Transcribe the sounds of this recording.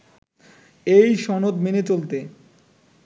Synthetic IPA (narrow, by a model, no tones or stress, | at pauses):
ejʃɔnod̪menet͡ɕolt̪e